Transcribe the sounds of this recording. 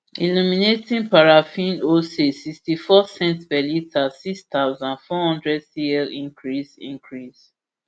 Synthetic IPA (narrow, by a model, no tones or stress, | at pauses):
ḭluminetĩnpaɹafĩnosesikstifɔsɛ̃ntbɛlitasikst̪awzãnfɔhɔ̃ndɹɛdsiɛlĩŋkɹisḭ̃ŋkʰɹis